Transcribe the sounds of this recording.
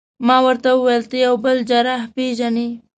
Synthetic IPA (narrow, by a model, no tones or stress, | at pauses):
mɑwəɾt̪awəwejlt̪əjawbəld͡ʒaɾahpeʒani